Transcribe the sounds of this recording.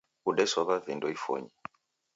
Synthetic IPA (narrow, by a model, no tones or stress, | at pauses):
uɗɛswaβavindɔifɔ̰ɲi